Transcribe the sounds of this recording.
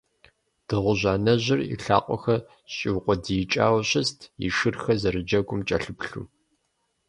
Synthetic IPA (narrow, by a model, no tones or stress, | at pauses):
d̥ɨʁʷʊʑaːnɐʑɪrḭɬa̰ːqʷʼɔ̰xɐ | ɕʼɪwqʷʼɔdijt͡ʃʼaːwɕʼɪstʰḭʃɨrxɐzɐɾɨd͡ʒɐɡʷʼʊmt͡ʃʼɐɬɨpɬṵː